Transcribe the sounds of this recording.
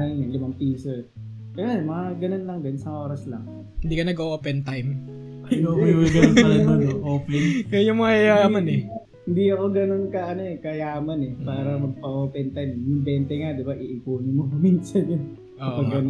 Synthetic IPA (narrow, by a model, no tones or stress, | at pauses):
ɐɲɐnlɪmɐŋpiːso | kɐjamɐŋaɡɐnonlɐŋɡɐonsɐŋʔoːɾɐslɐŋ | hɪnd̪iːkɐnɐɡoʔoːpɛnt̪ajm | oiwɐɡɐonɐmɐnoʔoplɪŋkɐjʊŋmɐŋɐkɐjaːmɐnɛ | hɪnd̪iɐkoɡɐno̞nkɐʔɐno̞ɛkɐjaːmɐnɛpaːɾɐmɐɡ̚pɐʔoːpɛnt̪ajmjʊŋbɛːnt̪ɛŋad̪ɪbaʔɪʔɪkoːnɪmomɐmiːnsɐnjʊn | oɐɡɐn